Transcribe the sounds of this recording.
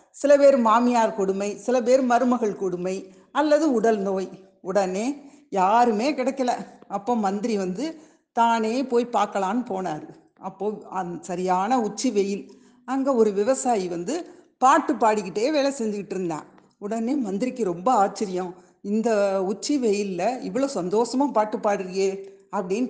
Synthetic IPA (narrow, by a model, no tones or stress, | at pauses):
sɪlɐpeːɾɯmaːmɪjaːɾkɔɽɯmɐɪsɪlɐp̬eːɾɯmɐɾɯmɐɣɐɭkɔɽɯmɐɪ | ɐlːɐðɯʊɽɐlnoːj | ʊɽɐneː | jaːɾɯmeːkɪɽɐkːɐlɐɐpːoːmɐnd̪ɪɾiʋɐnd̪ɯ | t̪aːneːpoːjpaːɾkɐlaːnɯpoːnaːɾɯ | ʔɐpːoːɐsɐɾɪjaːnɐʊt͡ʃːiʋɛjɪl | ɐŋɡɐɔɾɯʋɪʋɐsaːjiʋɐnd̪ɯpaːʈːɯpːaːɽɯkːɪʈːeːʋeːlɛsɛɲd͡ʒɯkɪʈːɪɾɯnd̪ã̰ː | ʊɽɐneːmɐnd̪ɪɾɪkːɯɾɔmbɐaːt͡ʃːɪɾɪjɐ̃ | ɪnd̪ɐʊt͡ʃːɯʋɛjɪllɐɪʋɐɭoːsɐnd̪oːʂɐmaːpaːʈːɯpːaːɽɯɾɯŋeːɐpːɐɽɪn